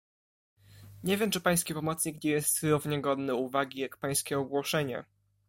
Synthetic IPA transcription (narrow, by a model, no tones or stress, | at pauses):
ɲevʲjɛmt͡ʂɘpaj̃skʲɛpɔmɔt̪sɲikɡd͡ʑɛjɛst̪sɾuvɲɛɡɔd̪nɛuvaɡʲijakpaj̃skʲɛɔɡwɔʂɛɲɛ̰